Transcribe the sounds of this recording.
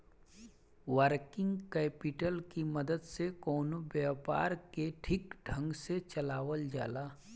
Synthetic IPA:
wəɾkɪ̃ŋɡkɛːpɪʈəlkimɐd̪əd̪sekɔːnobjaːpa̰ːɾkeʈʰɪkɖʱə̃ŋɡset͡ʃɐlaːʋəld͡ʒaːlaː

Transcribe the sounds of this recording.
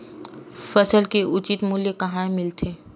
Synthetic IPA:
fɐsəlkeʔʊt͡ʃit̪muljekɐɦãẽmɪlt̪ʰeː

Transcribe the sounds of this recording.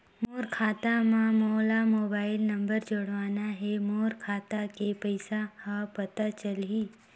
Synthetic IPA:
moːɾkʰaːt̪amãmoːlamoːbaːɪlnɐ̃mbəɾd͡ʒoɽʋaːnaɦɛmoːɾkʰaːt̪akepəɪsahapɐt̪at͡ʃəlɦiː

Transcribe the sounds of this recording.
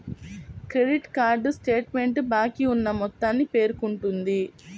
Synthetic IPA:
kɾe̞ɖiʈkaːɾɖsʈe̞ːʈme̞ɳʈbaːkiunːɐmɔt̪ːaːnːipe̞ːɾukuɳʈund̪i

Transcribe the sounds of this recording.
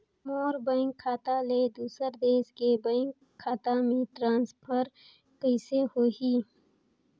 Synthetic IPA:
moːɾbə̃ŋkʰːaːt̪aːleːd̪uːsəɾd̪eːskebə̃ŋkʰːaːt̪amiʈɾãːnspʰəɾ | kəɪsehoːhiː

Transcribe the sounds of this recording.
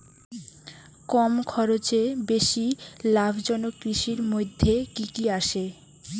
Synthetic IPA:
kɔmkʰɔɾot͡ɕebeʃilabʱd͡ʑɔnokɾiʃiɾmojd̪ʱːekikiaʃe

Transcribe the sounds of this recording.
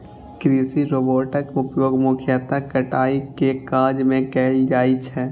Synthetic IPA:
kɾiːsiɾoːboːʈəkʊpjoːɡmʊkʰjaːt̪akəʈaːikekaːd͡ʒmẽkɛːld͡ʒaːit͡ʃʰɛː

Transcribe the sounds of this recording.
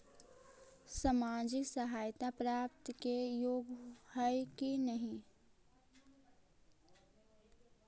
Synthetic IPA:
samad͡ʒɪksəɦaːjt̪apɾaːp̚t̪kejoːɡhəɪkinəɦĩ

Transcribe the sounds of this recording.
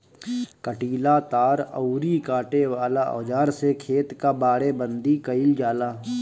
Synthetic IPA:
kəʈiːlat̪aːɾə̰ʊɾikaːʈeʋaːlaɔ̰ːd͡ʒaːɾsekʰeːt̪kabaːɽebə̃nd̪ikəɪld͡ʒaːlaː

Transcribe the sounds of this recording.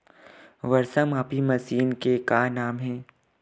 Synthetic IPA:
ʋɐɾsəmaːpimɐsiːnkekaːnaːmɦɛ̃ː

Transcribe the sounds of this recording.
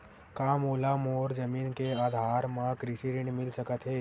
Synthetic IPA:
kaːmoːlaːmɔːɾd͡ʒəmiːnkeaːd̪ʱaːɾmãkɾɪʃiɾɪɳmɪlsəkət̪ɦeː

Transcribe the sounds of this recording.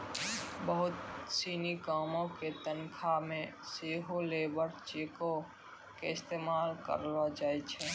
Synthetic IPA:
bəɦʊt̪siːnikaːmõket̪ənkʰamẽseːɦoleːbəɾt͡ʃeːko | keɪst̪eːmaːlkə̰ɾlad͡ʒaːet͡ʃʰɛː

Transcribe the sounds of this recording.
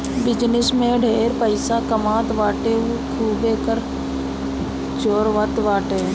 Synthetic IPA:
bɪd͡ʒnɪsmẽɖʱeːɾpəɪsakəmãːt̪ʋaːʈeːkʰuːbeːkəɾ | t͡ʃoːɾʋət̪ʋaːʈeː

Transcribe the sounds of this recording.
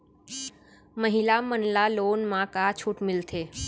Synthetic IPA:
məɦɪlamənlaloːnmãkat͡ʃʰuːʈmɪlt̪ʰeː

